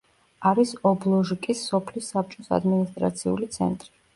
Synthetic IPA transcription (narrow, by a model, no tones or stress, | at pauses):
aɾisɔblˠɔʒikʼisːɔpʰlisːap̚t͡ʃʼɔsa̰d̪minist̪ʼɾa̰t̪sʰiṵlit̪sʰɛ̰nt̪ʼɾi